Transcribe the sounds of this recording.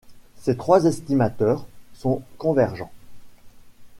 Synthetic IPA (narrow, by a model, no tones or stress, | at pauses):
set̪χwazɛst̪imat̪œːʁsɔ̃kɔ̃vɛʁʒɑ̃